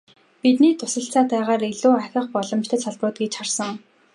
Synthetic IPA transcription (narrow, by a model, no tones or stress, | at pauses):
pit̪niːt̪ʰʊ̥sə̆ɬt͡saːt̪æːʁaːɾeɮuːaxʲə̆χpɔɮɞ̆mt͡ɕt̪ʰə̆t͡ɕsaɮprʊːt̪̚ɡet͡ɕχarsə̆ŋ